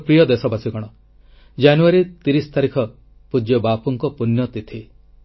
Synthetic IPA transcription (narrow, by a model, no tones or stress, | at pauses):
pɾijɔd̪esɔbasiɡɔɽ̃ɔ | d͡ʒanuaɾit̪iɾisɔ̥t̪aɾikʰɔ | pud͡ʒjɔbapuŋkɔpunjɔt̪it̪ʰi